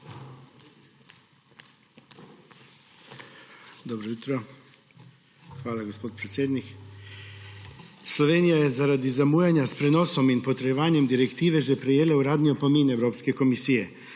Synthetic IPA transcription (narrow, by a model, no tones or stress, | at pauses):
d̪ɔbɾɔjut̪ɾɔ | xʋaːlaɡospoːt̪̚pɾet̪sjeːd̪nik | slɔʋeːnijajɛzaɾad̪izamuːjanjaspɾɛnoːsɔminpɔt̪ɾɛjɛʋaːnjɛmd̪iɾɛkt̪iːʋɛʒɛpɾɛjeːlauɾaːd̪niɔpomiːnɛwɾoːpskɛkomisiːjɛ